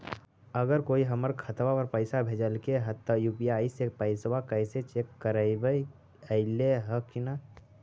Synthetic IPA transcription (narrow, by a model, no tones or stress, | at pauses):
əɡəɾkoːiɦəməɾkʰət̪ʋapəɾpəɪsabʱeːd͡ʒəlkeɦət̪ːəjuːpijaːisepəɪsʋakəɪset͡ʃeːkːəɾəɪbəi | əɪleɦəkina